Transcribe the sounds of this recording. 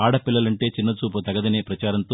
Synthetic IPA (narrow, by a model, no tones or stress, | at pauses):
aːɽɐpilːɐlɐɳʈe̞ːt͡ʃinːɐt͡ʃuːp̬ɐt̪ɐɡɐd̪ɐneːpɾɐt͡ʃaːɾɐnt̪o